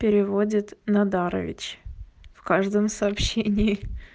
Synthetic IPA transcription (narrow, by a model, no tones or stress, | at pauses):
pʲɪɾʲɪvo̞dʲɪt̪nɐd̪aɾə̰vʲɪ̰t͡ɕfkaʐd̪əmsɐːpɕːenʲɪɪ